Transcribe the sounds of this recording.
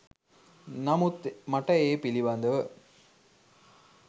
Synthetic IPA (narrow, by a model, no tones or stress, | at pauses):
nɐmut̪mɐʈːɐjeːpiliʋɐnd̪ɐʋɯ